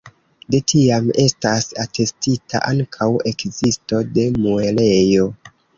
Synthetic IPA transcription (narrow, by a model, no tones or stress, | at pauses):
detʰiame̞stasate̞stitʰa̰ʔaŋkʰawe̞kzisto̞de̞muele̞jo̞